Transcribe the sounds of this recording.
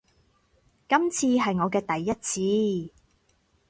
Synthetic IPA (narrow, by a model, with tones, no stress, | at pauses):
kɐ˥mt͡sʰiː˧ɦɐ˨jŋɔː˨˧kɛː˧t̪ɐ˨jːɐ˥t̚t͡sʰiː˧